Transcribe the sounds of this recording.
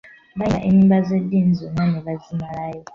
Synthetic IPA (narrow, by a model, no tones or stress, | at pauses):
βaaʔimibazedind͡zɔŋanɛβazimaɺaːjɔ